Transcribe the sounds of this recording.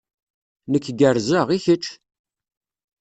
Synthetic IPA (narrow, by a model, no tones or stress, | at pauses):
nəkːɡəɾzəʁiçət͡ʃː